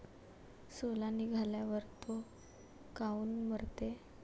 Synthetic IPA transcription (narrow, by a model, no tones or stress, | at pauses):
solaniɡʱaljaʋəɾt̪o | kauːnməɾt̪e